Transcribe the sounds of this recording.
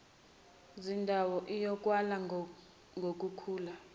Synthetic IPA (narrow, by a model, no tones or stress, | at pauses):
zindʱawɔʔijɔk̬ʼwala | ŋɡʱok̬ʼukʰuːla